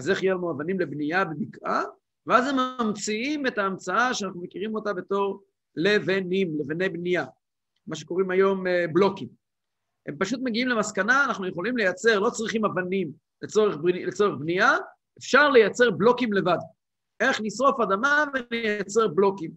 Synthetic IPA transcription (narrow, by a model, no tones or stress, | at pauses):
azeχjealmuavanimle̞bnijabemikʔa | veaze̞mːamt͡siime̞taːmt͡saaʃeanaχnumekiʁimo̞tabe̞to̞ʁ | le̞venimlevene̞jbnija | maʃ̬eko̞ʁimajo̞mblo̞kim | he̞mpaʃut̪me̞ɡiimle̞maskanaːnaχnujeχo̞limle̞jat͡se̞ʁlo̞t͡sʁiχimavanim | let͡so̞ʁeχblet͡so̞ʁeχbnija | efʃaʁle̞jat͡se̞ʁblo̞kimle̞vad | ʔe̞χnisʁo̞fadamavenejat͡se̞ʁblo̞kim